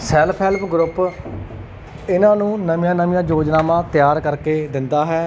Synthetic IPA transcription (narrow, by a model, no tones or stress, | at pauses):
sɛːlpʰɛːlpʰɡɾʊp | ɪnãːnũːnəmijãːnəmĩjãːd͡ʒoːd͡ʒnaːmãːt̪ɪjaːɾkəɾkeːd̪ɪnd̪aːɦɛː